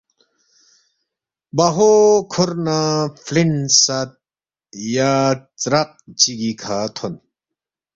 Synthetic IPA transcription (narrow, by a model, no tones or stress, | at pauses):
baɦokʰoɾnaflinsat̪̚ | jat͡sɾɐq̚t͡ɕiɡikʰat̪ʰon